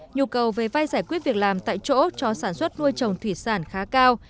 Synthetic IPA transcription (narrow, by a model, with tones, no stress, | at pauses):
ɲu˧kə˨˩wve˨˩va˧jzaː˧˩jkwət̚vi˨˩ək̚laː˨˩mt̪a̰ː˧˨jt͡ɕo̰˧˥t͡ɕɔ˧saː˧˩nswə˦˥t̚nu˧əjt͡ɕə˨˩wŋ͡mt̪ʰwi˧˩saː˧˩nxaː˨˦kaː˧w